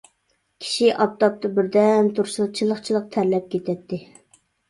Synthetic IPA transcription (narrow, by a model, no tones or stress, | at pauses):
kʲʰi̥ʃiʔɑp̚t̪ɑp̚t̪ɑbɪɾd̪ɛnt̪ʰuɾʃl̚ˠt͡ʃʰilˠəχt͡ʃʰilˠəq̚t̪ʰæɾlɛp̚kʲʰet̪ʰɛt̪ʰːɪ